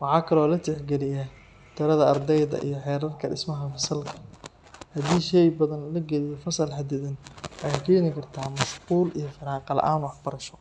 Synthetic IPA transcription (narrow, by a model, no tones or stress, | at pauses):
wɑħɑːkʰɐlɔːlɐt̪ʰɛħɡɛlɪjɐ | t̪ʰɪɾɐðɐɐrd̪ɛjðɐ̰ʔḭjɞħɛːɾɐrkʰɐɖɪ̰smɐɦɐfɐsɐlkʰɐ̥ | hɐd̪iːʃɛjbɐðɐnlɐɡɛlɪjɔfɐsɐlħɐd̪ɪðɐnːjhkʰɛnɪkʰɐrt̪ʰaːmɐʃquːlijɞfɐɾaːqɑlɐ̰ʔaːnʊwɑħbɐɾɐʃɔ